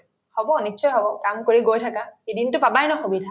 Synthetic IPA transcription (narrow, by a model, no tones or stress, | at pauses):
hɔbɔnitːʃɔjɦɔbɔkamkoɹiɡojtʰakaedintʊpabajnɔxobidʱa